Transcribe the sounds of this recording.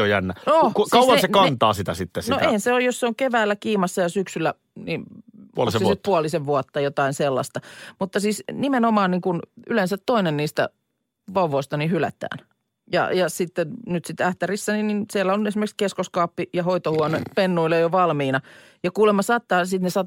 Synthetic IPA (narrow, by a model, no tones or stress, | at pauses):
ojænːæokukɑuwɑnsekɑnt̪ɑːsit̪æsit̪ːesnoʔeihænseojosseoŋkeʋæːlːækiːmɑsːɑjɑsyksylːæ | ninlosisit̪̚puɑliseʋʋuɑt̪ːɑjot̪ɑinselːɑ̰st̪ɑmut̪ːɑsiːsnimenomɑːnniŋkunylensæt̪toinenniːst̪æ̰ | ʋɑuʋoˑist̪ɑnihylæ̰t̪æ̰ːn | jɑ̰jɑsit̪ːennyt̪sit̪ːæht̪ærisːænininsielːæonesimerkskeskoskɑːpːijɑhoit̪ohuɑnepenːuilejoʋɑlmiːnɑ | jɑkuːlemːɑsɑːt̪ːɑːsit̪nesɑːt̪